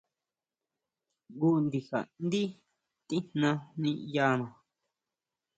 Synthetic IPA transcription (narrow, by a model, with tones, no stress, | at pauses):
ɡu˦nd̪i˨ha̰˨nd̪i˦ | t̪ĩ˦nnã˧nĩ˧ja˧nã˨